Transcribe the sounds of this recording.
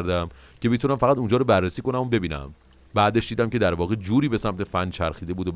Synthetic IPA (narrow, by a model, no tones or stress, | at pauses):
ɾd̪æm | cʰe̞bet̪ʰunæmfæɣæt̪und͡ʒɒːɾobærːesiːko̞næmobe̞biːnæ̰m | bæːd̪e̞ʃd̪iːd̪æmcʰe̞d̪æɾvɒːɣed͡ʒuːɾiːbesæmt̪ʰe̞fænt͡ʃʰæɾxiːd̪e̞buːd̪ob